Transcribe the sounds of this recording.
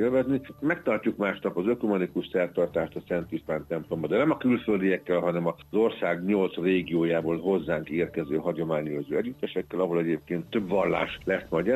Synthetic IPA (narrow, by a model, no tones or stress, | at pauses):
elvɛznimɛk̚t̪ɒrcːukmaːʃnɒpɒzøkomɒnikuʃsɛrt̪ɒrt̪aːʃt̪ɒsɛnt̪iʃt̪aːnt̪ɛmplo̞mbɒd̪ɛnɛmɒkylføld̪ijɛkːɛlɦɒnɛmɒzo̞rsaːɡɲo̞lt̪sreːɡioːjaːboːlɦo̞zːaːŋkeːrkɛzøːɦɒɟo̞maːɲozøːɛɟyt̪ːɛʃɛkːɛlɒɦo̞lɛɟeːp̚keːnt̪ːø̞bʋɒlːa̰ːʃlɛsmɒɟɛ